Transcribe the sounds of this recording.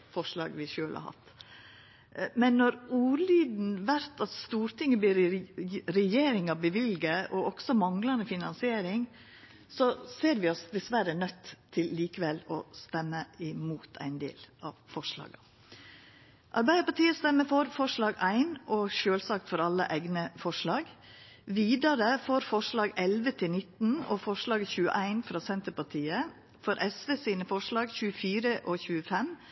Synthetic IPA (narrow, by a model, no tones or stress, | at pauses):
fɔʂɭɑ̰ːɡʋɪʃøːlʔhɑ̰hɑ̰t̪ː | mɛnːɔɾuːɾlyːd̪n̩ʋæɾt̪ʰɑt̪st̪uːɾt̪ɪŋːəbliːɾ | ɾɛjeːɾɪŋɑʋbəʋɪlɡəʔɔɔɡsɔmɑŋlɑnd̪əfɪnɑnsɪeːɾɪŋ | sɔseːɾʋɪɔsd̪ɛsʋæɾənœt̪ʰːɪlːiːkəʋɛlɔ̰st̪ɛmːəɪmuːt̪ʰæ̰ɪnd̪ḛːlʔɑʋfɔʂlɑ̰ːɡə | ʔɑɾbæɪd̪əɾpɑʈiːəst̪ɛmːəfɔɾfɔʂɭɑːɡæɪnɔʃøːlsɑːk̚t̪fɔɾɑlːə̰ʔæɪɡnəfɔʂɭɑːɡ | ʋiːd̪ɑɾəfɔɾfɔʂɭɑːɡɛlʋət̪ʰɪlnɪt̪ːn̩ɔfɔʂɭɑːɡçʉːə̰ʔæɪnfɾɑːsɛnt̪əɾpɑʈʰiːə | fɔɾʔɛsʋeːsiːnəfɔʂɭɑːɡçʉːəfiːɾəʔɔçʉːəfɛm